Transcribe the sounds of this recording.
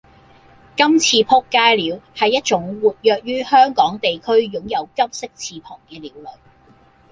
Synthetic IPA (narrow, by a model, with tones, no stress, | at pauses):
kɐ˥mt͡sʰiː˧pʰʊ˥kːaː˥jliː˨˧whɐ˨jːɐ˥t̚t͡ʃʊ˨˥ŋwuː˨t̚jœː˨k̚jyː˥hœː˥ŋkɔː˨˥ŋt̪e˨jkʰɵ˥ɥjʊ˨˥ŋjɐ˨˧wkɐ˥m̚sɪ˥k̚t͡sʰiː˧pʰɔː˨˩ŋkɛː˧liː˨˧wlɵ˨˩ɥ